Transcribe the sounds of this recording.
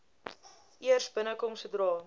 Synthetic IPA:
ʔiərsbənəkɔmsədrɑː

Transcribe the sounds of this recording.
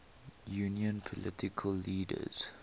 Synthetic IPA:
juniə̃npʰɔlʔɪtɪkʰəlːiːdə̰z̥

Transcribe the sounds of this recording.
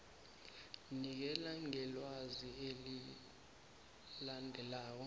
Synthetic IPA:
nik̬ɛlaŋɛlwazieli | landʱɛlaːk̬ɔ

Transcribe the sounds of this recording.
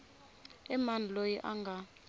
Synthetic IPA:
ɛmanʱlojiʔaŋɡʱa

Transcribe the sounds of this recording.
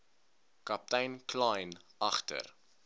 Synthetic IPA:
kɐp̚tɛjnkʰlɑjnɐχtə̰r

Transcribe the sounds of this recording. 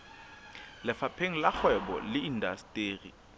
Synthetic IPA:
lɪfapʰeŋ̩lak͡xwɛɓɔ̰lɪindastʼeːrḭ

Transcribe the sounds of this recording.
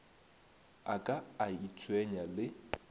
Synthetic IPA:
akʼaːit͡sʰʼwɛɲalɪ

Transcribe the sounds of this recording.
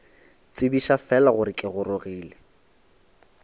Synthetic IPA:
t͡sʼɪbiʃafɛlaɣʊɾɪkʼɪɣʊɾʊɣiːlɪ

